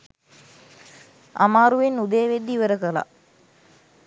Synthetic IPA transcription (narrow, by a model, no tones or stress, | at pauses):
a̰maːɾuʋenːud̪eːʋed̪ːiʋəɾəkəla̰